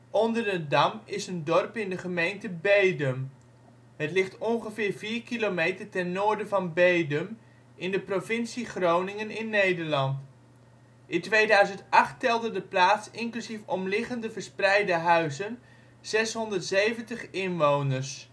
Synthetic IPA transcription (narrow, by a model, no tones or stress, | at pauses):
ʔɔndəɹədɑmɪsəndɔrpɪndəχəmejntəbejdəm | ɦətlɪχtɔnχəvɪːɹviːɹkilomejtərtɛnːʊːɹdəvɑnbejdəm | ʔɪndəprovɪnsiχrownɪŋənɪnːejdəɹlɑnt | ʔɪntʋejdœɥzəntɑχtɛlˠdədəplaːtsɪŋklyzifɔmlɪχəndəvəɹsprɛjdəɦœɥzən | z̥ɛsɦɔndərtsejvəntəχɪnʋownəɹs